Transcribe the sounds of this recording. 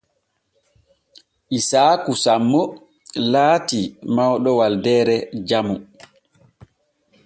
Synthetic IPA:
ʔisaːkusamːɔ | laːtimawɗɔwaldɛːɾɛd͡ʒamu

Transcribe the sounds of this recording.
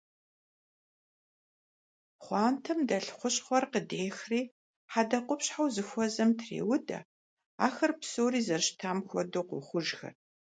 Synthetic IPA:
χʷɑːntʰɐmdɐɬχʷʊɕʼχʷɔrqədeːxriː | ħadɐqʷʊpɕħawzɨxʷɔzɐmtʰrḛːwʊdɐ̰ | a̰ːxɐrpsoːɾiːzɐʃtʰaːmxʷɔ̰doːqʷʊ̰χʷʊʒxɐ̰r

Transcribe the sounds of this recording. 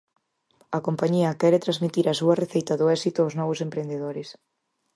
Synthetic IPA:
ɐkompaɲiɐkɛɾet̪ɾazmit̪iɾɐsuɐreθejt̪ɐðʊɛsit̪ʊaʊwznɔβʊsempɾend̪eðoɾɪs

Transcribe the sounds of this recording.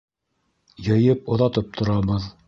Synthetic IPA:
jɤ̆jɤp̚ŏðɑt̪ɤp̚t̪ʰŏɾɑβɤð

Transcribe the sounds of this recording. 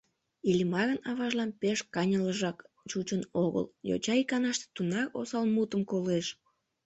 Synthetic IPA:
ilʲmɑɣənɑβɑʒlɑnpeʃkɑnʲələʒɑk | t͡ʃut͡ɕənoɣə̰ljo̰t͡ɕɑikɑnɑʃt̪e̥t̪unɑro̰sɑlmut̪əmkoleʃ

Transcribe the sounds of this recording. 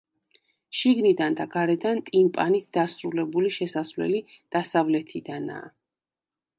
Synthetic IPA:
ʃiɡnid̪and̪aɡaɾɛd̪ant̪ʼimpʼanit̪ʰd̪asɾulɛbuliʃɛsasvlɛ̰li | d̪̥asavlɛt̪ʰid̪ana̰ː

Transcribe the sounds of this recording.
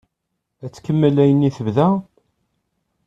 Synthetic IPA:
æt͡sːkəmːəlːæjənːiθəvðæ

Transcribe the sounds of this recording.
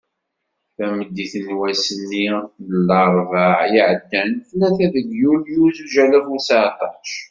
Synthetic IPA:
θæməd̪ːiθənwæsənːiθlːəɾˤvəʕjəʕəd̪ːænθnæθæðəɡjuljuzuʒælæfusat̪ˤɑʃ

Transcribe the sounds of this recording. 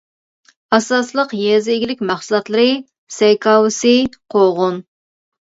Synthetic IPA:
ɑsɑslˠəqjɛzɪɪɡʲilɪkʲmɑχsulˠɑt̪lˠɨɾɨ | sɛjkʰɑwɨsɨqʰoʁʊn

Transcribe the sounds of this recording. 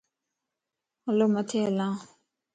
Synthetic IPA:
lomət̪ʰela

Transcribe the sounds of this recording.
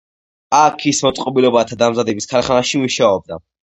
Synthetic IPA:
akʰismɔt̪sʼqʼɔbilɔbat̪ʰad̪amzad̪ɛbiskʰalχanaʃimuʃaɔb̚d̪a̰

